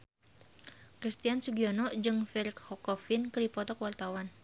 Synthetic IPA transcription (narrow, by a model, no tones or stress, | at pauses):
kɾist̪iansuɡiɔnɔd͡ʒɨŋfilikhɔkɔfɪnkədipɔt̪ɔkəwart̪awan